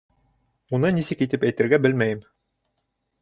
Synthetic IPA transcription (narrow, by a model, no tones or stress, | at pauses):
unɤnisɘkit̪ɘpæjt̪ɘ̆ɾɡæbɘlmæjɘm